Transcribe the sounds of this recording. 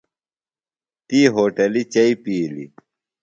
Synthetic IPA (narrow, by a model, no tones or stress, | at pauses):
t̪iːɦoːʈɐlit͡ɕɐipiːlḭ